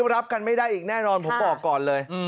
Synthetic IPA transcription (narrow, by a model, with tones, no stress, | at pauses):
ɾa˦˥p̚ka˧nma˥˩jdaː˥˩jʔiː˨˩k̚nɛː˥˩nɔː˧npʰo˨˦mbɔː˨˩kːɔː˨˩nlɤː˧j